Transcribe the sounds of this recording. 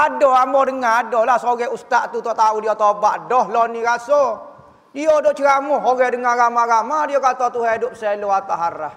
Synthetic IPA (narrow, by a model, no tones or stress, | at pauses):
adɔamɔdəŋaadɔlahsoɡɛust̪aʔt̪ut̪ɔʔt̪audiɔt̪obaʔdɔhlɔniɾasɔ | diɔdɔʔt͡ʃəɾamʊɦoɡɛdəŋaɡamaɡamadiɔkat̪ɔt̪uɦedʊp̚sɛloat̪aɦaɾah